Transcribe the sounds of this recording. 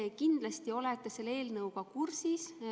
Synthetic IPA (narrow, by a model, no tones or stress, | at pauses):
kind̪̥lɑst̪io̞let̪ːˑese̞lːe̞ːlnɤwɡ̥ɑkursis